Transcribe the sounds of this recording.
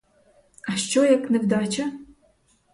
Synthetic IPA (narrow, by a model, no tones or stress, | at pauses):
aʃt͡ʃojɛknɨvd̪aːt͡ʃʰɐ